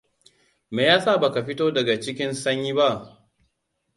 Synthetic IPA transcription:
meː˨jaː˦sa˦˨ba˨ka˨ɸɪ˦toː˦dɐ˨ɡa˨t͡ʃɪ˦kʲɪ˦nsɐ˦ɲjiː˦ba˦ʔ

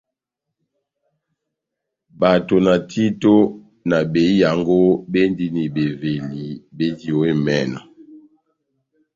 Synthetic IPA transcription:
ba˨to˨na˨tʰi˦to˦ | na˨be˨i˦ja˨ŋɡo˦be˦ndi˦ni˨be˨ve˨li˨be˦di˦o˨we˦mɛ˦˨na̰˨

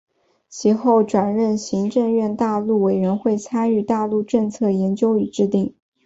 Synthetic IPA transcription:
t͡ɕʰi˧˥xo˥˩ʊʈ͡ʂwa˨˩nɻə˥˩nɕi˧˥ŋʈ͡ʂɤ˥˧ŋɥɛ˥˧nt̪a˥˧lu˥˩we˨˩ɪɻɛ˧˥nxwe˥˩ɪt͡sʰa˥ny˥˧t̪a˥˧lu˥˧ʈ͡ʂɤ˥˧ŋt͡sʰɤ˥˩jɛ˧˥nt͡ɕjo˥ʊy˨˩ʈ͡ʂɻ̩˥˧t̪i˥˩ŋ

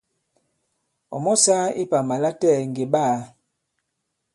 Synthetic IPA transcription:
ɔ̰˨mɔ˦saː˦ḭ˦pa˨ma˨la˦tɛ˦˨ŋ˨ɡe˨ɓa˦˨

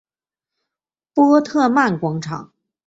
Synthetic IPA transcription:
pwɔ˥t̪ʰɤ˥˧ma˥˩nkwɑ˥ŋʈ͡ʂʰɑ̰˨˩˦ŋ

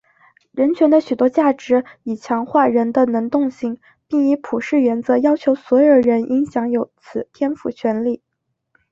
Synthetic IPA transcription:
ɻə˧˥nt͡ɕʰɥɛ˧˥nd̪ə˧ɕy˨˩t̪wɔ˥t͡ɕja˥˩ʈ͡ʂɻ̩˧˥i˨˩t͡ɕʰjɑ˧˥ŋxwa˥˩ɻə˧˥nd̪ə˧nɤ˧˥ŋt̪ʊ˥˧ŋɕi˥˩ŋ | pi˥˩ŋi˧˥pʰu˨˩ʂɻ̩˥˩ɥɛ˧˥nt͡sɤ˧˥jɑ˥ʊt͡ɕʰjo˧˥ʊswɔ˧˥jo˨˧˩ɻə˧˥nʔi˧˥ŋɕjɑ˧˥ŋjo˧˥ʊt͡sʰɹ̩˨˩t̪ʰjɛ˥nfṵ˨˧˩t͡ɕʰɥɛ˧˥nli˥˩

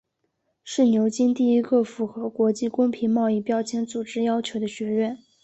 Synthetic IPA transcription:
ʂɻ̩˥˩njo˧˥ʊt͡ɕi˥nt̪i˥˩i˥ɡə˥˩fu˧˥xɤ˧˥kwɔ˧˥t͡ɕi˥˩kʊ˥ŋpʰi˧˥nmɑ˥˧ʊi˥˩pjɑ˥ʊt͡ɕʰjɛ˧˥nt͡su˨˩ʈ͡ʂɻ̩˥jɑ˥ʊt͡ɕʰjo˧˥ʊd̪ə˧ɕɥɛ˧˥ɥɛ˥˩n

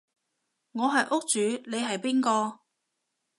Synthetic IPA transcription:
ŋɔː˨˧ɦɐ˨jʔʊ˥k̚t͡ʃyː˨˧ne˨˧jɦɐ˨jpiː˥nkɔː˧

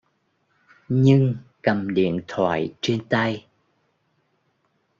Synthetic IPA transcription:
ɲɨ˧ŋkə˨˩mɗḭ˧˨ənt̪ʰwa̰ː˧˨jt͡ɕe˧nt̪ə˧j

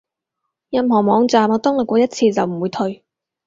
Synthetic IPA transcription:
jɐ˨mɦɔː˨˩mɔː˨˧ŋt͡saː˨˩mɔː˧˥t̪ɔ˥ŋlɐ˨˩kʷɔː˧˥jɐ˥t̚t͡sʰiː˧t͡sɐ˨wm̩˨˩wuː˨˧jt̪ʰɵ˧ɥ

